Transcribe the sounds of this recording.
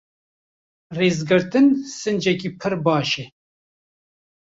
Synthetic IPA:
reːzɡɨɾt̪ɨnsɨnd͡ʒɛkipʰɨɾbɑːʃɛ

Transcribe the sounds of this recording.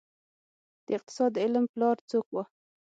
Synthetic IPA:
d̪̥əɪq̚t̪ɪ̥sɑd̪ːəɪlmplɑɾt͡sokwa

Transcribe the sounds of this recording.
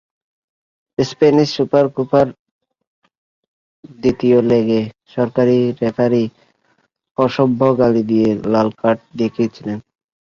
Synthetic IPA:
speniʃːupaɾkupaɾ | d̪it̪ioleɡeʃɔɾkaɾiɾepʰaɾi | ɔʃobʱːoɡalid̪ijelalkaʈ̚d̪ekʰiet͡ɕʰilen

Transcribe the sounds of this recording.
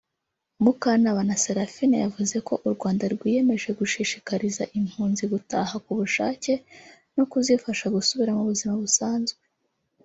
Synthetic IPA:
mukanaβanaseɾafinḛjavuze̞ko̞ʔuɾɡwaːndaɾɡwiːje̞me̞ʒe̞ɡuʃiʃi̥kaɾizaʔim̥huːnziɡutahakuβuʃa̰ːce̞ | nokuzifaʃaɡusuβiɾamuβuzimaβusaːnzɡwe

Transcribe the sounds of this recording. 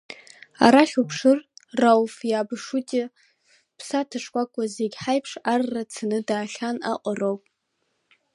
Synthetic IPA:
a̰ɾaɬʲupʰʂɨrːawfjaːbɨʂutʼi | pʰsatʰaʂkʷʼakʷʼazeɡʲħajpʰʂarːat͡sʰanɨdaːɬʲana̰qʷʼarowpʼ

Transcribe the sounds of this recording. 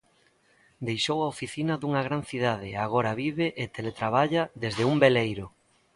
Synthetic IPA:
d̪ejʃowaofiθinɐðuŋɐɣ̞ɾanθiðað̞ɪaɣ̞oɾaβiβɪʔet̪elet̪ɾaβ̞aʎaðezðɪumbelejɾʊ

